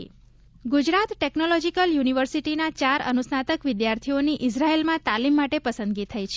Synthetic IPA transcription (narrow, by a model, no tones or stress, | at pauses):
ɡud͡ʒɾat̪ʈeknolɔd͡ʒikəljuniʋəɾsiʈinat͡ʃaɾə̰nusnat̪əkʋɪd̪jaɾt̪ʰioniʔɪsɾaelmãt̪alimːaʈepəsə̃nd̪ɡit̪ʰəjt͡ʃʰe